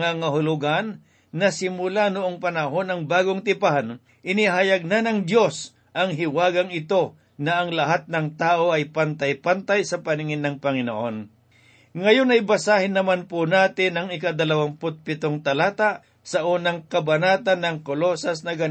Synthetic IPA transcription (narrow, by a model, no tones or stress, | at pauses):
ŋaŋɐɦʊlʊɡanː | ɐsɪmʊlanʊʔoŋpɐnɐɦo̞nɐŋbaːɡoŋt̪ɪpahan | ʔɪnɪɦajaɡ̚nanɐŋd̪jo̞s | ʔɐŋɦɪwaːɡɐŋɪt̪o̞ | nɐʔɐŋlɐɦat̪̚nɐŋt̪aːʔo̞ɐjpant̪ajpant̪ajsɐpɐnɪŋɪnːɐŋpɐŋɪno̰ʔo̞n | ŋɐjonɐjbɐsaːhɪnːɐmanpʊnaːt̪ɪnɐŋɪkad̪ɐlɐwaŋpʊt̪̚pɪt̪oŋt̪ɐlaːt̪aʔ | sɐʔuːnɐŋkɐbɐnaːt̪anːɐŋkolosɐsnɐɡɐ